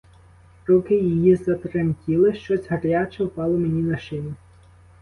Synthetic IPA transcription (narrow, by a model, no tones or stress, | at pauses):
ɾukɪjijizɐt̪ɾɐmʲtʲilˠɪʃt͡ʃɔsʲɦɐɾʲjʲat͡ʃɛpɑlˠɔmenʲinɐʃt͡ʃɪnʲi